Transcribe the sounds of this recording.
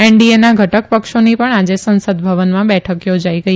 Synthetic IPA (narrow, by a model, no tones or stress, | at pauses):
ɛɳɖienaɡʱəʈəkpəkʃonipəɳad͡ʒesə̃nsəd̪bʱəʋənmãbɛʈʰəkjod͡ʒaiɡəi